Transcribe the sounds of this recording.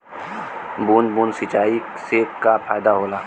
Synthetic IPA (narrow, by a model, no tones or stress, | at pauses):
buːnbuːnsɪt͡ʃaːi | sekapʰaːɪd̪aɦoːlaː